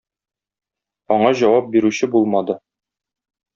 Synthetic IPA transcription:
ɒɴɑʑɒwɑp̚biɾʉɕɘbulˠmɑd̪ɤ

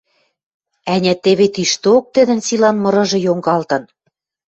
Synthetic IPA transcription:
ænʲæt̪eβet̪iʃt̪ok̚t̪ɘ̆d̪ɘ̆nsilɑnmɤ̆ɾɤ̆ʒɤ̆joŋɡɑlt̪ɤ̆n

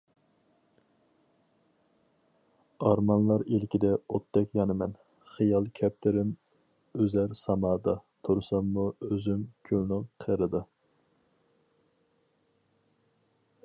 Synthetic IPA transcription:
ɑɾmɑnlˠɑɾilkʲid̪ɛot̪ːɛkʲjɑnɨmɛn | χɨjɑlˠkʲʰɛp̚t̪ʰɪɾɪm | øzæɾsɑmɑːd̪ɑt̪ʰuɾsɑmːuøzymkʲʰølnɨŋqʰəɾɨd̪ɨ

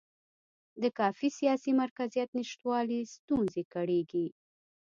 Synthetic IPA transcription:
d̪əkɑfisijɑsimaɾkazijat̪nɪʃt̪wɑlist̪unzekaɽeɡi

